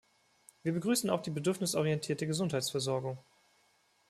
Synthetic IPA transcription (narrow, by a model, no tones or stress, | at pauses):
viːɐbəɡʁyːsn̩aʊxd̥iːbədʏɐfnɪsʔɔʁiɛntʰiːɐtəɡəzʊnthaɪt͡sfɛɐzɔɐɡʊŋ